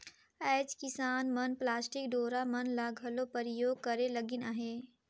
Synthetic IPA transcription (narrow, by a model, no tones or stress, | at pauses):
ɛːd͡ʒkɪsaːnmənplaːsʈɪk̚ɖoːɾamɐnlaːɡʱəlopəɾɪjoːɡ̚kəɾeləɡɪnaɦeː